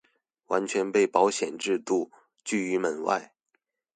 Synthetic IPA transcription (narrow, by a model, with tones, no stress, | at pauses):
wa˧˥nt͡ɕʰɥɛ˧˥npe˥˩ɪpɑ˧˥ʊɕjɛ˨˩nʈ͡ʂɻ̩˥˧t̪u˥˧ | t͡ɕy˥˩y˧˥mə˨˩nwa̰˥˩ɪ